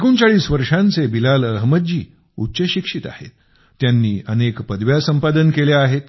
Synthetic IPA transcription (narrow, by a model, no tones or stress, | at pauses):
kuːnt͡saɭiːsʋəɾʂãnt͡sebilaləɦməd̪̚d͡ʑiː | ut̪ːɕəɕikʂit̪a̰hḛt̪ː | janːiːənekpəd̪ʋjasəmpad̪ənkeleaɦet̪